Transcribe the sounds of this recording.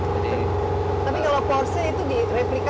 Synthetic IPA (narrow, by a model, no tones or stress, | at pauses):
t̪apikalawpɔrsiit̪udireplik